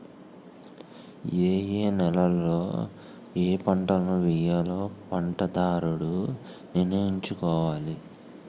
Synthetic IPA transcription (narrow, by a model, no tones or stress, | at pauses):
eːjeːnɛlɐlːo̰ː | eːpɐɳʈɐlɐnuʋɛjalo̞ːpɐɳʈɐd̪aːɾuɽu | ninɐjiɲt͡ʃukɔːʋaːli